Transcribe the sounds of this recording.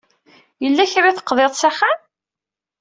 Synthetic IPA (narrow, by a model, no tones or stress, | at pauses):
jəlːæçɾaθə̥qːðˤeðˤsæχam